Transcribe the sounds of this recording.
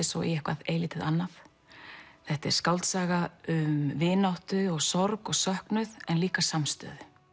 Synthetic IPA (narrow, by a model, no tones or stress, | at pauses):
ɪsɔ̰ḭɛhkvaðeːjlɪːt̪ɪðanːaθ | θɛht̪ɛ̰ɾ̥skawlt̪saːɣaʏmvɪːnawht̪ʏɔɣsɔɾkɔɣsœhknʏðɛnliːkasamst̪œ̰ːðʏ